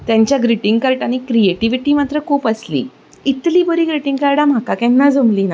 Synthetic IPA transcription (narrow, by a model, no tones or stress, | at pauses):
t̪jãɲt͡ɕjaɡɾiʈiŋɡkəɾʈañikɾieʈiʋiʈiːmat̪ɾəkʰuːpəslḭː | it̪liːbəɾiːɡɾiʈiŋɡkaɾɽam̤akakɛ̃nːad͡zomliːna